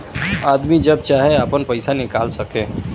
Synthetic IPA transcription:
aːd̪mid͡ʒɐb̚t͡ʃaːɦeɐpənpəɪsanɪkaːlsɐkẽː

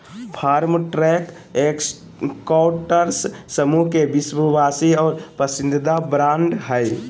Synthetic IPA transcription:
pʰaɾmʈɾɛk | eks | kaʊʈəɾsːəmukebisʋəbasiɔːɾpəsind̪d̪abɾãɳɖɦəj

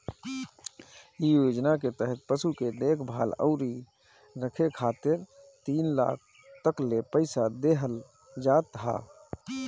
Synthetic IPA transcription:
ijoːd͡ʒnaket̪ɛɦət̪̚pəsuked̪eːkʰbʱaːlə̰ʊɾi | ɾəkʰekʰaːt̪ɪɾt̪iːnla̰ːk̚ʰ | t̪əklepəɪsad̪eɦəl | d͡ʒat̪ɦa̰ː

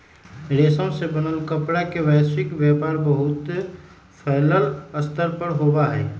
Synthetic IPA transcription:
ɾeːsõsebənəlkəpɽakeʋɛːsɪkʋjɛːpaːɾbəɦʊt̪ | pʰaːlələst̪ʰəɾpəɽɦoːbaɦɛː

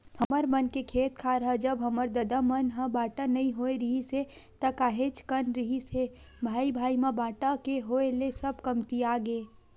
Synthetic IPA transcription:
həməɾmənkekʰeːt̪̚kʰaɾəɦəd͡ʒəbɦəməɾd̪ɐd̪əmənɦə̃baːʈənɐĩɦoːeɾəɦiset̪əkaːɦet͡ʃkənɾəɦise | bʱaːibʱaːimẽbaːʈəkeɦoelesəb̚kəmt̪iaːɡeː

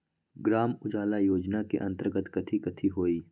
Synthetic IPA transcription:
ɡɾaːmʊd͡ʒaːlajoːd͡ʒnakḛʔɐ̃nt̪əɾɡət̪kɐt̪ʰikɐt̪ʰiɦoːiː

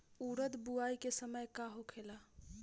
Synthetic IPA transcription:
uːɾət̪buaikesəməjkaɦokʰela

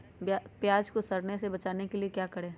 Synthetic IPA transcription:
japjaːd͡ʒkosɐɾnesebɐt͡ʃaːnekeliekjaːkɐɽẽː

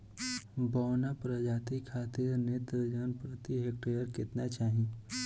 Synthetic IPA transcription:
bɔːnapɾəd͡ʒaːt̪ikʰaːt̪ɪɾnet̪əd͡ʒənpɾət̪iɦek̚ʈejəɾkɪt̪nat͡ʃaːɦĩ

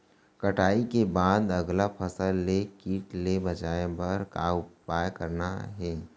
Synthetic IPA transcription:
kəʈaːikebaːd̪ɐɡlapʰəsəlːekiːʈlebɐd͡ʒaːebɐɾkaʊppaːjkəɾnaɦɛː

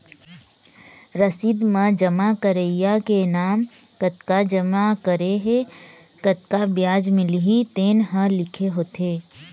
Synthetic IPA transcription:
ɾəsiːd̪mə̃d͡ʒəmakəɾəijakenaːmkət̪kad͡ʒəmakəɾeɦe | kət̪̚kabjaːd͡ʒmɪliɦit̪eːnɦə̃lɪkʰeɦoːt̪eː

